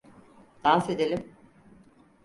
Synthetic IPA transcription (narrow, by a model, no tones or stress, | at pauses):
d̪̥ansed̪elʲim